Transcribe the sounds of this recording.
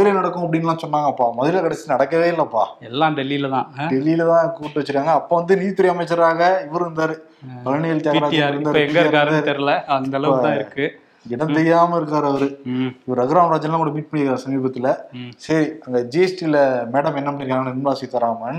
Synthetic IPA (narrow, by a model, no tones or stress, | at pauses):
ɪlɐnɐɽɐkːʊ̃ɐp̬ːɐɽɪŋnɐlãːsɔnːaːŋɡɐpːaːmɐðɪɾɪlɐkɐɽɐsnɐɽɐkːɐʋeːɪlːɐɐpːa̰ːɛlːãːɖɛlilɐt̪ãːɖɛlilɐt̪ãːkːkuːʈːɯʋɐt͡ʃːɪɾɯkːaːŋɡɐːpːoːʋɐnd̪ɯniːt̪ːɪɾiɐmɐt͡ʃːɐɾaːɣɐɪʋɐɾɯɾɯnd̪aːɾɯ | pɐɾnɐjɐlt̪eːɾaːaːɾɯnd̪aːɛŋɡɐɾkːaːɾɾt̪ɐɾlɐɐnɐɐlɐɐãːɪɾɯkːɯ | ɡɪɽɐ̃t̪ɛjːaːmɐɪɾɯkːɾaːɾɯɐʋɐɾɯɪʋɐɾɯɐɣɾaːmɾaːd͡ʒɐnlãːkːɐːʈːɐmiːʈ̚pɐɳːɪɾkːɾaːɾɯsɐmiːbɐt̪ːɪlɐsɐɾiɐŋɡɐd͡ʒiɛsʈilɐmeːɽɐmɛnːɐɐpːɐɳɪɾɯkːaːŋɡɐɪɾnd̪aːsɪt̪ːɐɾaːmɐn